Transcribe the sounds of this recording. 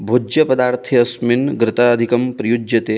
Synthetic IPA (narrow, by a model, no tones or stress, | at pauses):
bʱud͡ʒjɐpɐd̪aːɾt̪ʰiɐsminɡɾɪt̪ad̪ʱikɐmpɾɐjud͡ʒjɐt̪eː